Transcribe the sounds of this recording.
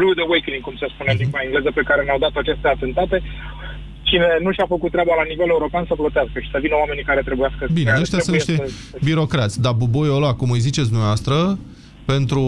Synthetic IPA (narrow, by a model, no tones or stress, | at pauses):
bɾuud̪ewejkliŋɡkumsespuneimpaiŋɡle̞zəpe̞kaɾe̞nawd̪at̪oat͡ʃe̞st̪eat̪e̞nt̪at̪e̞ | t͡ʃine̞nuʃafəkut̪ːɾʲeabalanivele̞uɾo̞peansəplot̪easkəʃi̥səvinəowame̞nikaɾe̞t̪ɾe̞bujaskəbineəʃt̪jasɨniʃt̪e | biɾo̞kɾat̪sʲd̪abubojolakumɨjzitt͡ʃet̪s̬ʲd̪uɛvast̪ɾə | pe̞nt̪ɾu